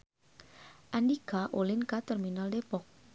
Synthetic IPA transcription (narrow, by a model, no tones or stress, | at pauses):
ʔandikaʔolɪnkat̪ɛrminaldepɔk̚